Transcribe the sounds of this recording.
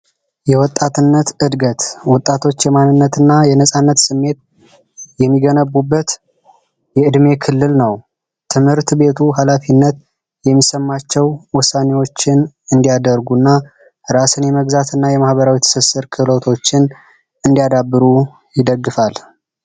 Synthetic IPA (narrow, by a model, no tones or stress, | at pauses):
jɛwɔt̪ʼːat̪ɨnːət̪ɨd̪ɡət̪wɔt̪ʼːat̪ʰo̞t͡ʃːjɛmanːɨnːət̪ɨnːajɛnəsʼanːət̪sɨmːe̞t̪̚ | jɛmːiɡənəbːubːət̪ | jɛɨd̪me̞kʰɨlːɨlnəw | t̪ʰɨmhɨɾt̪be̞t̪ʰuɦalafinːət̪ | jɛmːisəmːat͡ʃːɛwwʊsanewo̞t͡ʃːɪn | ɨnd̪ijad̪əɾɡunːa | ɾasɨnjɛməɡzat̪ʰɨnːajɛmahbəɾawijɛt̪ʰə̥sɨsːɨɾkʰɨlot̪ʰo̞t͡ʃːɪn | ɨnd̪ijad̪abːɨɾu | jɪd̪əɡːɨfal